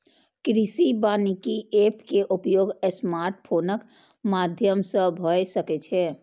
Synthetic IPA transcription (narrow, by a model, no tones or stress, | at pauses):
kɾisibanikiepkeʔupjoɡəsmaɾʈ̚pʰonək | mad̪ʱjəmsə̃bʱəjsəkɛt͡ʃʰɛ